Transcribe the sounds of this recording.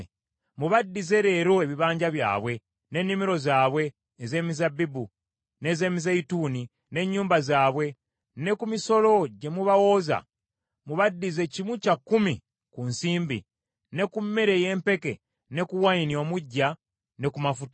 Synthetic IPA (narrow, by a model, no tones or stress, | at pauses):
muβadːize̞ɾe̞ːɾo̞eβiβaːɲɟaβja̰ːβwe̞ | ne̞nːimiɾo̞zaːβwe̞ː | ze̞ːmizabːibu | ne̞ːze̞ːmizeituːni | ne̞ɲːuːmbazaːβwe̞ | ne̞kumiso̞lo̞ɟe̞muβawo̞ːza̰ | muβadːize̞cimwucakːumi | kunsiːmbḭ | ne̞kumːe̞ɾe̞je̞ːmpe̞ke̞̰ | ne̞kuwainio̞ːmuɟːa | ne̞kumafutḁ